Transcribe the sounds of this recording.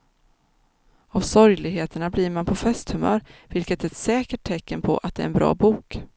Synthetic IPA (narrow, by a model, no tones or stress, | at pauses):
avsɔɾjlɪɡɦeːt̪əɳabliːɾmanpʰɔfɛst̪hɵmœ̰ːɾvɪlkət̪ɛɛt̪sɛːkəʈ̚ʰːɛkːənpʰɔ̰ʔa̰t̪̚d̪ɛ̰ːɾɛnbɾɑ̰ːbuːk